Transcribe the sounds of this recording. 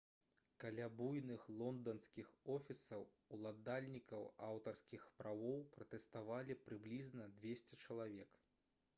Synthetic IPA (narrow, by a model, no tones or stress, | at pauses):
kalʲabujnɨxlˠɔnd̪ɐnskʲixɔfʲisɐw | ulˠad̪alʲnʲikɐwawt̪ɐrskʲixpɾawɔwpɾɐt̪ɛst̪avalʲipɾɨblʲiznɐd̪vʲesʲt͡sʲɛt͡ʂɐlˠavʲɛk